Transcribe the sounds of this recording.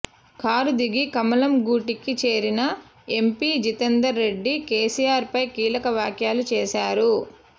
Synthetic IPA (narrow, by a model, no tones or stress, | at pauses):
kʰaːɾud̪iɡikɐmɐlɐmɡuːʈikit͡ʃeːɾinɐ | e̞mpiːd͡ʒit̪end̪ɐɾːe̞ɖːikeːsijaːɾpɐjkiːlɐkɐʋjaːkjaːlut͡ʃɛːʃaːɾu